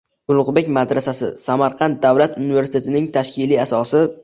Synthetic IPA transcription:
ɡʊlˠʊqbe̞kʲmad̪ɾasasɪsamaɾqʰɑnt̪̚d̪awlat̪ʊnɪveɾsɪ̥t̪ʰe̞t̪ʰɪnɪŋt̪ʰaʃkʲɪliasɒsɪ

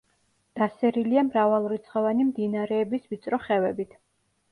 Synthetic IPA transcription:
d̪̥asɛɾiliamɾavalˠɾit̪sʰʼχɔvanimd̪inaɾɛːbisvit̪sʼɾɔχɛvɛbit̪ʰ

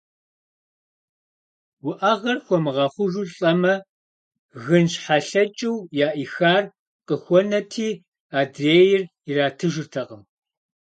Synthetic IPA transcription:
wʊʔɐʁɐrxʷɔmɨʁɑχʷʊʒuɬʼɐmɐ | ɣɨnɕħaɬɐt͡ʃʼɪwjaːʔixaːr | qəxʷɔnɐtʰiː | aːdreːjɪr | iraːtʰɨʒɨrtʰɐqəm

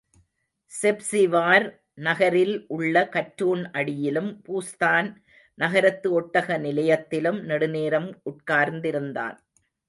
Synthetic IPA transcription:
sɛpsɪʋaːɾ | nɐɣɐɾɪlʔʊɭːɐkɐʈɾuːɳʔɐɽɪjɪlɯmpuːst̪aːn | nɐɣɐɾɐt̪ːɯɔʈːɐɣɐnɪlɐjɐt̪ːɪlɯmnɛɽɯneːɾɐmʊʈ̚kaːɾnd̪ɪɾɯnd̪a̰ːn

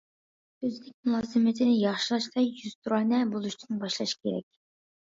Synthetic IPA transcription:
ɵznɪk̚ʲmulˠɑzɨmɪt̪ʰɪnɪjɑχʃɨlˠɑʃt̪ˠɑjjyz̥t̪ʰuɾɑnɛbulˠut͡ʃʰɪnbɑʃlˠɑʃkʰʲeɾɛ̰k̚ʲ

